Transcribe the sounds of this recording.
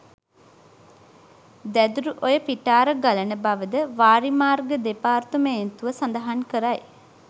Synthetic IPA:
d̪æd̪uɾuʔojəpiʈaːɾəɡalənəbaʋəd̪əʋaːɾimaːrɡəd̪epaːrt̪umeent̪uʋəsand̪əɦankəɾaj

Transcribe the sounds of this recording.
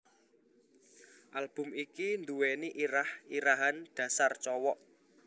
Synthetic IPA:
ʔalb̥ʊ̤mikind̪uweniʔiɾahiɾaɦand̥ä̤sart͡ʃɔwɔʔ

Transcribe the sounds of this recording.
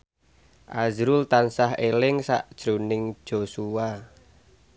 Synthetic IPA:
ʔazɾʊlt̪ansahɦelɪŋsa̰ʔd̥ʒ̥ɾonɪŋ̥ʒ̥osua

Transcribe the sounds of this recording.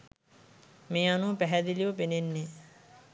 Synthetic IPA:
meːanupæɦæd̪iliʋəpenenːe

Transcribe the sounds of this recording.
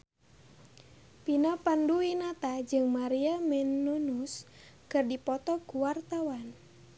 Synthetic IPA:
pinapanduinat̪ad͡ʒɨŋmaɾiamɛnːunus | kɨrdipɔt̪ɔkuwart̪awan

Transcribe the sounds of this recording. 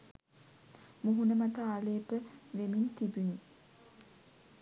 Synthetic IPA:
muɦunəmat̪əaːleːpəʋemint̪ibun

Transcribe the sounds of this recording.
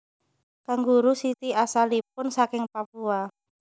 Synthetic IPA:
kaŋɡuɾusit̪iasalip̚ʊnsakɪŋpapua

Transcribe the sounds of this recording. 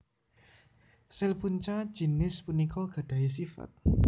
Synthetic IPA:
sɛlpunt͡ʃḁd͡ʒ̥i̤nɪspunikɔɡ̥a̤d̥a̤is̬ifa̰t̪̚

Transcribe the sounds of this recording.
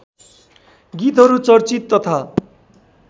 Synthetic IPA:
ɡit̪ɦʌɾut͡sʌrt͡sit̪ːʌt̪ʰa

